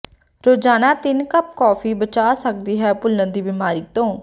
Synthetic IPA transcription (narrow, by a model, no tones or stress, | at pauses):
ɾoːd͡ʒaːnaːt̪ɪnkəb̚kɔːfʰiːbət͡ʃaːsək̚d̪iːɦɛːpʊlːə̃d̪iːbɪmaːɾiːt̪õː